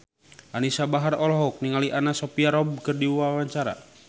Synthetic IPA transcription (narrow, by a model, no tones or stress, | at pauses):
ʔanisabaɦarɔlɔɦuk̚niŋaliʔanasɔpiaɾɔb̚kɨrdiwawaɲt͡ʃaɾa̰